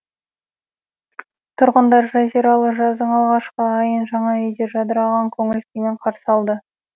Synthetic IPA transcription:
t̪ʰʊɾʁənd̪ɑɾʒæziɾɑlˠəʒɑzd̪əɴɑlˠʁɑʃqəːjənʒɑɴɑejd̪e̞ʒɑd̪əɾɑʁɑŋkʲʰɵŋɪlkʲemeɴqʰɑɾsəɑlˠd̪ə

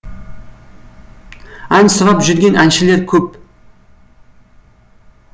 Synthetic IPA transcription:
ænsʊɾɑpʒʏɾɡʲe̞nʔænʃɪle̞ɾkʲʰɵp̚

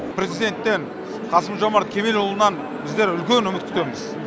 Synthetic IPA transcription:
pɾe̞zijd̪e̞nt̪ːe̞ɴ | qʰɑsəmʒomɑɾt̪̚kʲʰe̞me̞lwolˠənɑn | bɪzd̪e̞ɾʏlkʲe̞nʏmɪt̪̚k̪ʲʰʏ̥t̪e̞mɪz̥

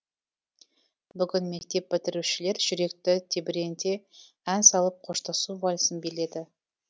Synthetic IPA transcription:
bʏɡʲɪnme̞k̚t̪e̞p̚ːɪt̪ɪɾuʃɪle̞ɾʒʏɾe̞kt̪ɪt̪ʰebɪɾe̞nt̪e̞ | ænsɑlˠəp̚qʰoʃt̪ɑsubɑlʲsənbele̞d̪ɪ

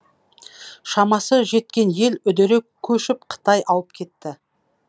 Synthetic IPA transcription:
ʃɑmɑsəʒe̞t̪̚kʲe̞nje̞lʏd̪eɾe̞kkʲʰɵʃɪp̚qʰə̥t̪ɑjʔɑwəp̚kʲʰe̞t̪ːɪ

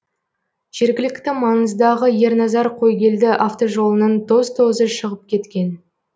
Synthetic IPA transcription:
ʒ̥e̞ɾɡʲɪlɪkt̪ɪmɑnəzd̪ɑʁəje̞ɾnɑzɑɾqʰo̞jɡʲe̞ld̪ɪʔaft̪o̞ʒo̞lˠənənd̪o̞zt̪ʰo̞zəʃəʁəp̚kʲʰe̞t̪kʲe̞n

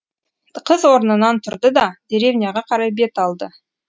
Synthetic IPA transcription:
qʰəzwo̞ɾnənɑnt̪ʰʊɾd̪əd̪ɑd̪̥e̞ɾe̞vnʲɪjɑʁɑqʰɑɾɑjbe̞t̪ɑlˠd̪ə

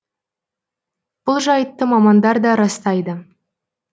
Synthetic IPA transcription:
b̥ʊlˠʒɑjət̪ːəmɑmɑnd̪ɑɾd̪ɑɾɑst̪ɑjd̪ə

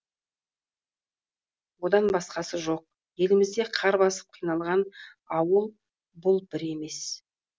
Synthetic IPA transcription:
wo̞d̪ɑnbɑsqɑsəʒo̞q̚ | je̞lɪmɪzd̪e̞qʰɑɾbɑsə̥p̚qʰijnɑlˠʁɑn | ɑwəlˠ | bʊlˠbɪɾe̞me̞s

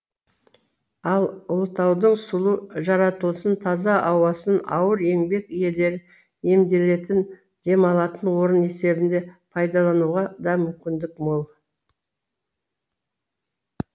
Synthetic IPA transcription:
ɑlˠʊlˠət̪ɑwd̪əɴsʊlˠəʒɑɾɑt̪əlˠsənt̪ʰɑzɑʔɑwɑsənɑ̰wəɾe̞ŋbe̞kije̞le̞ɾɪ | e̞md̪e̞le̞t̪ɪn | d̪̥e̞mɑlˠɑt̪ənwo̞ɾəne̞se̞bɪnd̪e̞pʰɑjd̪ɑlˠɑnuʁɑd̪ɑmʏmkʲɪnd̪ɪkmolˠ

